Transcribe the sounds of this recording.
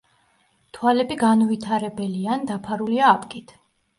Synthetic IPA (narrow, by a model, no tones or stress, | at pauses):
t̪ʰwalɛbiɡanvit̪ʰaɾɛbɛliand̪apʰaɾuliaːpʰʼkʼit̪ʰ